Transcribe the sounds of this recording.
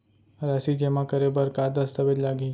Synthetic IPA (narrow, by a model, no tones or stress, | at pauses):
ɾasid͡ʒemãkəɾebəɾkad̪əst̪ʰəbed͡ʒlaɡi